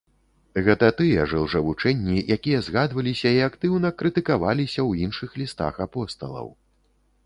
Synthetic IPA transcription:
ɣɛt̪ɐt̪ɨjɐʐɨwʐɐvut͡ʂɛnʲːijakʲijɐzɣad̪vɐlʲisʲɐiakt̪ɨwnɐkɾɨt̪ɨkavalʲisʲɐwinʂɨxlʲist̪a̰xapɔst̪ɐlˠɐ̰w

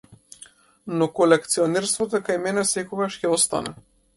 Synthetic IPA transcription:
nɔkolɛkt̪siɔnɛɾst̪vɔt̪okajmɛnɛsɛkɔɡaʃcʲɛɔst̪a̰nɛ

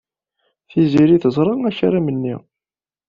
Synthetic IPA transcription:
θiziɾiθəzˤɾˤɑnæçaɾamənːi

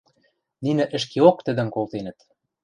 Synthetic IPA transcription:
ninɘ̆ʔɘ̆ʃ̬keok̚t̪ɘ̆d̪ɘ̆ŋkolˠt̪enɘ̆t̪

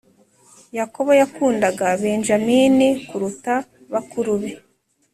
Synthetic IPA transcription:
jako̞βo̞jakuːndaɡaβe̞nʒamiːnikuɾuta | βakuɾuβe

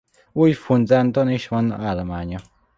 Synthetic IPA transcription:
wujfund͡zand̪onĩʃmõno̰ʔalamãɲõ

